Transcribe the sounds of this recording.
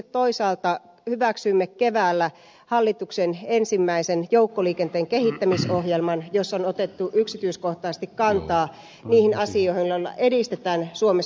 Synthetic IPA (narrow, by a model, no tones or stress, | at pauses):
ett̪oisɑːlt̪ɑ | hyʋæksymːekkeʋæːlːæ | hɑlːit̪uksenensimːæisenjoukːoliːkent̪eːŋkehit̪ːæmisoɦjelmɑnjosːonot̪et̪ːuʔyksit̪yiskoht̪ɑːst̪ikkɑnt̪ɑː | niːhinɑsioihilːɑlːɑ̰ʔedist̪et̪æːnsuome